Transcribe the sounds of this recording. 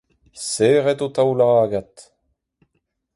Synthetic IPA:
seːʁɛt̪ot̪awlaaːɡat̪

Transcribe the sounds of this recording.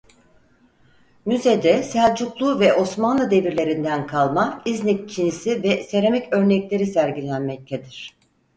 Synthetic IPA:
myzed̪ɛsælʲd͡ʒuklˠuːvɛʔo̞smanlˠɯd̪e̞viɾlʲe̞ɾind̪ænkʰalˠmaizniccʰinisivɛseɾemɛcø̞ɾnɛclʲe̞ɾisæɾɟilʲænmɛc̚t̪ʰed̪iɾ̝̥

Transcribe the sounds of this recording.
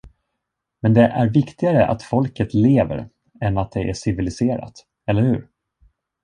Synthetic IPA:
mɛnd̪ɛʔæɾvɪkt̪ɪɡaɾəʔa̰t̪fɔlkət̪leːvə̰ɾ | ɛnːat̪̚d̪ɛʔæʂɪvɪlɪseːɾa̰t̪ | ɛlːəɾhʉ̟̰ːɾ

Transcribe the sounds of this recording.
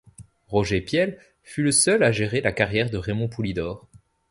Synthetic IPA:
ʁɔʒepjɛl | fyləsœlaʒeʁelakaʁjɛʁd̪əʁemɔ̃pulid̪ɔːʁ

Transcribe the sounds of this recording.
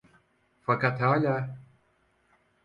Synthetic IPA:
fakat̪ʰalʲa

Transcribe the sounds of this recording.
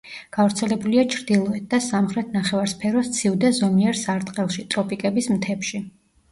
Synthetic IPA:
ɡ̥avɾt̪sʰɛlɛbuliat͡ʃʰɾd̪ilˠɔɛt̪̚d̪asamχɾɛt̪ʰnaχɛvaɾspʰɛɾɔst̪sʰivd̪ɛzɔmiɛɾsaɾt̪ʼqʼɛlˠʃit̪ʼɾɔpʼikʼɛbismt̪ʰɛpʃi

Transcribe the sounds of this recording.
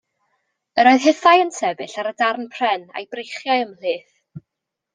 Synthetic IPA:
əɾoɨð̥ɦɪθajənsɛvɨɬaɾədarnpʰr̥ɛna̰jbrejχjaɨəmlɨːθ

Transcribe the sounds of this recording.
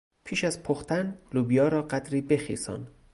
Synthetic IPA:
pʰiːʃæzpʰoxt̪ænluːbijɒːɾɒːɢæd̪ɾiːbe̞xḭːsɒ̰ːn

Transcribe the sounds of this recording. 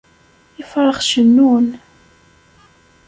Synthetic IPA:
ɪfɾˤəχʃənːun

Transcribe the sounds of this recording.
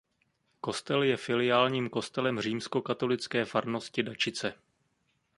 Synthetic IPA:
ko̞st̪ɛljɛfɪlɪjaːlɲiːmko̞st̪ɛlɛmr̝iːmsko̞kat̪o̞lɪt͡skɛːfaɾno̞scɪdat͡ʃɪt͡sɛ

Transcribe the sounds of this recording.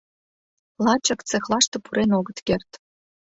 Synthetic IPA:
lˠɑt͡ɕə̆kt͡sexlˠɑʃt̪ɤ̆puɾenoɣə̆t̪kert̪

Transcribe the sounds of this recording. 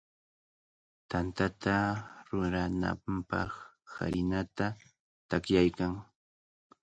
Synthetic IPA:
t̪ant̪at̪aɾʊɾana̰mpɑχ | ha̰ɾɪnat̪a | t̪akjajkaŋ

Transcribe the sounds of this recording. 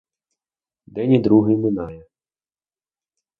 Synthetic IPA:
d̪ɛnʲid̪ɾuɦɪmɪnɑjɛ

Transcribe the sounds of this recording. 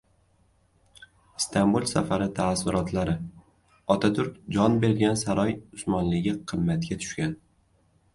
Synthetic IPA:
ɪst̪ʰambulˠsafaɾɪt̪ʰaːsːʊɾɒt̪ʰlaɾɪ | ɒt̪ʰat̪ʰʊɾk̚ʲd͡ʒɒnbe̞ɾɡʲansaɾɒjʊsmɒnlɪɡʲɪqʰɨmːat̪̚kʲat̪ʰʊ̥ʃkʲan

